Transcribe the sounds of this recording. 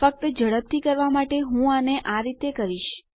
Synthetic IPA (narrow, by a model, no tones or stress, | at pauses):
ək̚t̪əd͡ʒəɽəb̚t̪ʰikəɾʋamaʈeɦũaneʔaɾit̪ekəɾiʃ